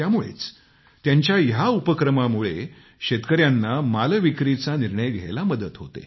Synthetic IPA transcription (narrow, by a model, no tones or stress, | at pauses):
jamuɭḛt͡s | t̪jaɲt͡ɕjajaupəkɾəmamuɭe | ɕet̪kəɾjanːamalʋikɾit͡saniɾɳəjɡʱḛjlaməd̪ət̪ɦot̪ḛ